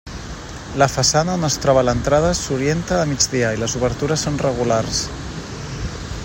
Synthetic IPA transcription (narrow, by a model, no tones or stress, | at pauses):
lafasanaonəst̪ɾɔβalant̪ɾaðəsuɾjent̪aːmid͡ʒd͡zðiailəzuβ̞əɾt̪uɾəsːonrəɣ̞ulaɾs